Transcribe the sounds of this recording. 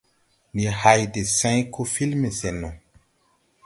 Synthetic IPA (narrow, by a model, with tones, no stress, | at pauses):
ni˨ha˨jde˨sã˦jkʰo˦fi˦lme˨sɛ˨nɔ̃˨